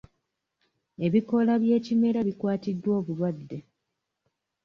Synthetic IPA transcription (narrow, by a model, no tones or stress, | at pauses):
e̞βiko̞laβje̞ːcime̞ɾaβikwaːtidːwo̞ːβulwadːe̞